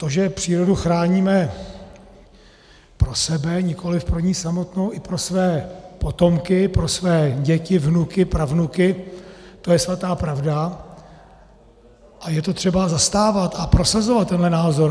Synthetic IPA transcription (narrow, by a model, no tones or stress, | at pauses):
t̪o̞ʒɛpr̥iːɾo̞duxɾaːɲiːmɛ | pɾo̞sɛbɛɲɪkʰo̞lɪfpɾoɲiːsamo̞t̪no̞wʔɪpɾo̞svɛːpo̞t̪o̞mkɪpɾo̞svɛːɟɛcɪvnukɪpɾavnukɪt̪o̞jɛsvat̪aːpɾavda | ʔajɛt̪o̞t̪r̥ɛbazast̪aːvat̪apɾo̞sazo̞vat̪ːɛnɦlɛnaːzo̞ɾ